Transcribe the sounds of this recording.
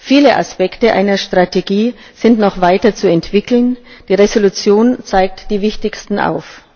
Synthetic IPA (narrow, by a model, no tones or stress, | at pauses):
fiːləʔa̰spɛktəʔa̰ɪnɐʃtʁ̥atʰeɡiː | z̥ɪntnɔχv̥aɪtɐt͡suɛntv̥ɪkl̩nd̥iːʁezolut͡sjoːnt͡saɪk̚td̥iːvɪçtɪçstn̩ʔa̰ʊf